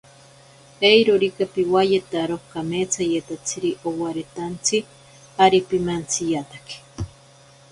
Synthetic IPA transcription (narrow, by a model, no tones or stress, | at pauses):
ejɾoɾikapiwajet̪aɾohkamet͡sʰajet̪at͡sʰiɾiʔowaɾet̪ant͡sʰi | aɾipimant͡sʰijat̪ḁki̥